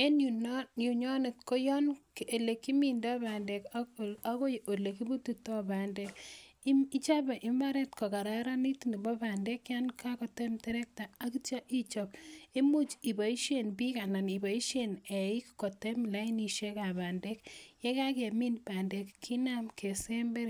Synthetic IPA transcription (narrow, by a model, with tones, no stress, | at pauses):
e˦nju˨nju˨ɲɔ˦nɪ˨tko˦jɔ˦nke˨le˨ki˦mi˨ndɔ˦ba˨nde˨ka˦ko˦jo˨le˨ki˦bu˦tu˨tɔ˦ba˨nde˦ki˦i˦t͡ʃa˦bɛ˨ʔɪ˨mba˦ɾe˦tko˨ka˨ɾa˦ɾa˦ni˦ti˨ni˨bɔ˦ba˨nde˦kja˦nka˦kɔ˨te˦mtɛ˦ɾɛ˦k̚ta˨a˦ki˦t͡ʃa˦ʔi˦t͡ʃɔ˨pe˦mu˦t͡ʃi˨ba˨i˦ʃenbi˦ka˨na˨ni˨ba˨i˦ʃene˨i˦kko˨te˦mla˦i˦ni˨ʃe˦ka˨ba˨nde˦kje˦ka˦ke˨mi˦npa˨nde˨kːʰi˦na˦mke˨se˦mbe˦ɾ